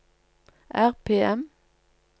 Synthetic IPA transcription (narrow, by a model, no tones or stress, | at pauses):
ʔæʁpʰeːɛm